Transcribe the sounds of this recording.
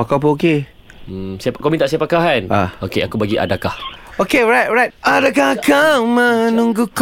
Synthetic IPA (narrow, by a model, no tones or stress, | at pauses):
pakap̬uoke | sapakomĩt̪aʔsiapakaɦanaokeakubaɡiʔa̰dakahokeɹajt̚ɹajt̚adak̬ahakamənũŋɡuk